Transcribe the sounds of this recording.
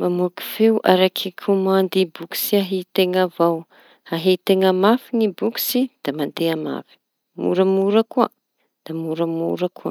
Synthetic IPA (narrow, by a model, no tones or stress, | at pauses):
mamuku̥fewʔaɾakʰikʰumand̪ibuku̥siaɦit̪eŋavaw | haɦit̪eŋamafinibuku̥sid̪̥amand̪eama̰fi̥ | mṵɾəmuɾakua | d̪̥amuɾəmṵɾakʰua̰